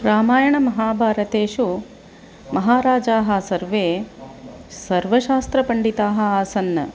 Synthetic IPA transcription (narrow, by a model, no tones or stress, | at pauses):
ɾaːmaːjɐɳɐmɐɦaːbʱaːɾɐt̪eːʃu | mɐɦaːɾaːd͡ʒaːɦɐ̆sɐɾʋeː | sɐɾʋɐʃaːst̪ɾɐpɐɳɖit̪aːɦɐ̆aːsɐnːɐ